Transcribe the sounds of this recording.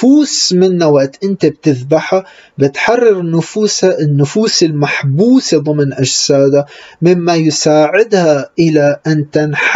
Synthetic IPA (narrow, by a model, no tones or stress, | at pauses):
fuːsmɪnːawaʔt̪ʔɪnt̪eb̚t̪ɪðbaħa | bɪt̪ħɑrˤːɑɾnʊfuːshaʔɪnːʊfuːsɪlmaħbuːseðˤʊmnʔaʒsaːd̪amɪmːajsaːʕɪd̪haʔɪlaʔant̪anħ